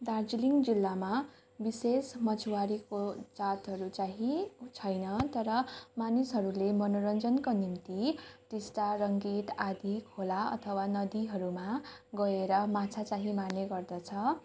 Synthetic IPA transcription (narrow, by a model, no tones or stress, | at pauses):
d̪ard͡ziliŋd͡zilːama | bisesmʌt͡sʰuwaɾikot͡sat̪ɦʌɾut͡saɦĩt͡sʰʌjnʌt̪ʌɾʌmanisɦʌɾulemʌnoɾʌnd͡zʌnkonimt̪iʈ̪esʈaɾʌŋɡit̪ad̪ʱikʰolaʌ̰t̪ʰʌwanʌd̪iɦʌɾumaɡʌeɾʌmat͡sʰat͡saɦĩmaneɡʌrd̪ʌt͡sʰʌ